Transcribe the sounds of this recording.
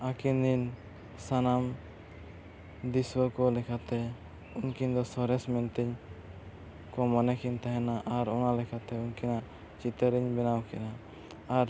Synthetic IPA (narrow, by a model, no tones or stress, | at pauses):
akind̪in | sanam | d̪iswɔkɔlɛkʰat̪ɛ | unkiɲd̪ɔsɔɾɛsmɛnt̪ɛɲ | kɔmɔnɛkint̪aɦɛnaʔaɾɔnalɛkʰat̪ɛunkina | t͡ʃit̪ɛɾiɲbɛnawkɛna | aɾ